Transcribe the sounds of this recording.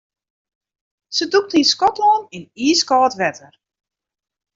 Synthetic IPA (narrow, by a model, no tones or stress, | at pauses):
səduk̚tiskɔtlɔniniːskɔːtʋɛtʰər